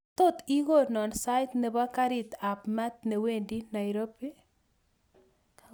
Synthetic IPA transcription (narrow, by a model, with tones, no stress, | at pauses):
t̪o˦t̪i˦ɡo˦˨nɔ˨nsa˦jt̪nɛ˨ba˦ka˦ɾɪ˨t̪a˨pmɛ˦t̪̚ne˨we˦ndi˦na˨jɾo˦pi˦